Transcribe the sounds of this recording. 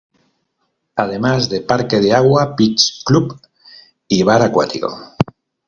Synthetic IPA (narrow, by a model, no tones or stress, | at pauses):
að̞e̞mazðe̞paɾke̞ð̞eaɣwapit͡ʃklup | iβ̞aɾakwa̰t̪iko̞̰